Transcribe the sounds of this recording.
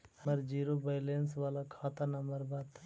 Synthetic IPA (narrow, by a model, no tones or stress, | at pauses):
məɾd͡ʒiːɾobaɪlẽnsʋaːlakʰaːt̪anɐmbəɾbaːt̪